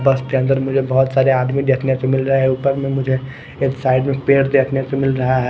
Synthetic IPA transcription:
bəsk̪eɐ̃nd̪əɾmʊd͡ʒʱebɔɦʊt̪saːɾeaːd̪mid̪eːt̪ʰnesemɪlɾɐɦeɦeupəɾmẽmʊd͡ʒʱe | eːksaːɪɖmẽpeːɾd̪eːt̪ʰnesemɪlɾɐɦaɦɛ

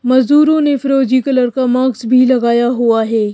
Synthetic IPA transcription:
mɐzd̪uːɾõnefɾoːd͡ʒikɐləɾkamaːɡzbʱilɐɡaːjaɦuaɦɛː

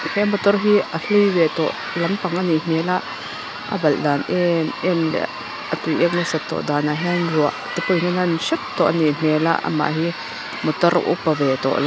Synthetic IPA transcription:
hɛmɔt̪ɔrɦiəɬivɛt̪ɔ̰ʔ | lɐmpaŋʔanin̥ɛlaʔ | ʔə̰bɐld̪aːnʔɛmʔɛmlɛ̰ | ət̪ujʔɛk̚nasat̪ːɔ̰ʔd̪aːnaɦɛnluaʔt̪ipujnananʃɛp̚t̪ɔʔaniʔn̥ɛla̰ʔa̰ma̰ʔɦi | mɔt̪ɔra̰ʔṵpːavɛt̪ɔ̰ʔla

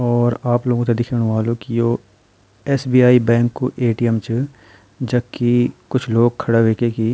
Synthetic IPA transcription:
ɔːɾaːploːɡõkt̪̬ed̪ɪkʰenʋaːlõkijoː | ɛːsbiːaːibɛ̃ːŋkːoʔeːʈijəmt͡ʃ | d͡ʒɐbkikʊt͡ʃʰloːɡ̚kʰːɐɽaʋeːkeki

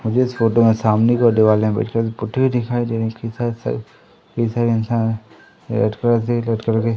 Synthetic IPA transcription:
mʊd͡ʒʱeɪsfoːʈomẽsaːmnikɔɾd̪eʋaːleɦẽbɛ̰ːʈʰkɐɾsepʊʈʰeid̪ɪkʰaːid̪eːɾẽkɐisaːɾs | kɐisaːɾeɪnsaːn | lɐ̰ʈkɐɾas̬elɐʈkəɾke

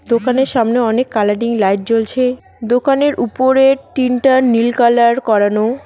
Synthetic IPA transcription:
d̪okaneɾʃamneɔnekːalaɖiŋlajʈ̚t͡ɕolt͡ɕʰe | d̪okaneɾʔupoɾeʈinʈanilkalaɾkɔɾano

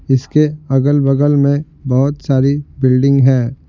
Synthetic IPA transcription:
ɪskeɐɡəlbəɡəlmẽ | bɐɦʊt̪saːɾibɪlɖɪ̃ŋɡɦɛː

